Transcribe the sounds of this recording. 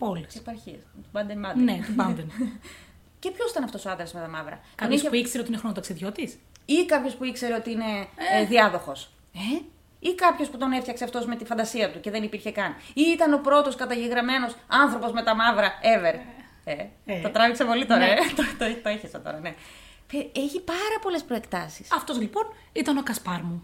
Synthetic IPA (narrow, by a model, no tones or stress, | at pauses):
polisepɐɾçiɐst̪ubɐnd̪enmɐnd̪net̪bɐnd̪en | ce̞pçosit̪ɐnɐft̪o̞soɐnd̪ɾezmet̪ɐmɐvɾɐ̰t̪ɐooisçepuikseɾeoinexɾonot̪ɐksiðjo̞t̪isikɐpço̞spuikse̞ɾe̞o̞t̪iine̞ðiɐðo̞xo̞s | ikɐpço̞sput̪o̞ne̞ft̪çɐkseɐft̪o̞zme̞t̪ifɐnd̪ɐsiɐt̪uce̞ðe̞nipiɾçe̞kɐniit̪ɐno̞pɾo̞t̪o̞skɐt̪ɐʝeɣɾɐme̞no̞sɐnθɾo̞po̞zme̞t̪ɐmɐvɾɐe̞ve̞ɾ | et̪ɐt̪ɾɐviksepo̞lit̪oɾɐet̪t̪ot̪oeçesɐt̪oɾɐne̞ | peeçipɐɾɐpo̞le̞spɾo̞e̞kt̪ɐsi̥sɐft̪o̞zlipo̞n | it̪ɐno̞kɐspɐɾmu